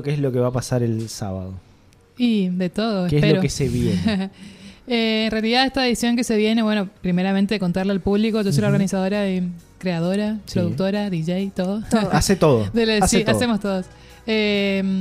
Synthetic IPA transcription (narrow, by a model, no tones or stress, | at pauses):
keeslo̞keβapasaɾelsa̰βa̰ðo | id̪et̪o̞ðoekeespeloɾokeseβje | eːnrealiðaðeht̪aeðisjoŋke̞se̞βje̞ne̞βwe̞nopɾimeɾament̪e̞ðeko̞nt̪aɾlealpuβliko̞ʒoso̞jloɾɣanisaðo̞ɾaekɾeað̞o̞ɾapɾoðuk̚t̪oɾaðiʒejt̪oðoaset̪oðoðelaseaemost̪oðos | em